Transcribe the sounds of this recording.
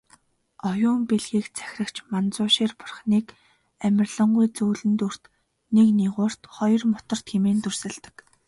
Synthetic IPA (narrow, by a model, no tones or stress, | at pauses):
ɔjʊːmpeɮɣiːkt͡sʰæ̥xʲrə̆kt͡ɕmant͡sʊːʃiːrpʊ̥rχniːk | æmʲɪ̆rɮə̆ɴɢujt͡suːɮɘ̆nt̪ur̥t̪ | nekniʁʊːr̥t̪χɔjɞ̆rmʊt̪ɞ̆r̥t̪xemeːnt̪ursɘ̆ɮt̪ə̥̆k